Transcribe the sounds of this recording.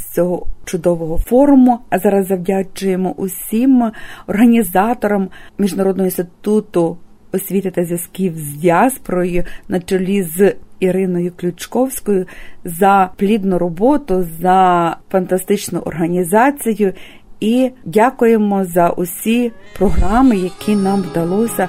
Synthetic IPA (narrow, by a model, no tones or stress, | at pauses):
sʲt͡sʲɔɦɔt͡ʃʊd̪ɔʋɔɦɔfɔɾʊmʊɐzɑɾɐzːɐwdʲat͡ʃʊjemɔʔʊsʲimɔrɦɐnʲizɑt̪ɔɾɔmmʲiʒnɐɾɔd̪nɦɔinst̪ɪt̪ut̪ʊ | ɔsʲʋʲit̪ɪt̪ɐzʲjɐsʲkʲiwzʲʋʲjaspɾɔjʊnɐt͡ʃɔlʲiziɾɪnɔjʊklʲʊt͡ʃkɔwsʲkɔjʊzɐplʲid̪nʊɾɔbɔt̪ʊzɐfɐnt̪ɐst̪ɪt͡ʃnʊʔɔ̰rɦɐnʲizɑt͡sʲijʊ | idʲakʊjemɔzɐʔʊsʲipɾɔɦrɑmɪjɐkʰinɑmʋd̪ɐlˠɔsʲɐ